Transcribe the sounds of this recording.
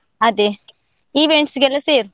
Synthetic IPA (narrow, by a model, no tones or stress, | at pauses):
ɐd̪e | iʋeɳʈsɡɛlɐseːɾu